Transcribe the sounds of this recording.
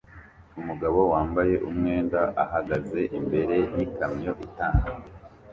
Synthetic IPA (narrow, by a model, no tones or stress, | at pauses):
umuɡaβo̞waːmbaje̞ʔumŋe̞ːndaʔahaɡaze̞ʔimbe̞ɾe̞jikamɲo̞ʔitaːna